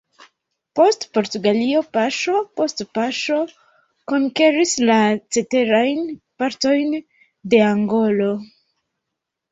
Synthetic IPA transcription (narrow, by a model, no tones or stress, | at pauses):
po̞stpo̞ɾtuɡalio̞paʃo̞po̞stpaʃo̞ | ko̞ŋke̞ɾislat͡se̞te̞ɾajnpaɾto̞jn | de̞aŋɡo̞lo̞